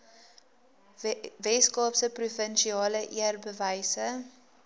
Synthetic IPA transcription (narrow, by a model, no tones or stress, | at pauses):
vɛskɑːpsəprufənʃiɑːləʔiərbəvəjsə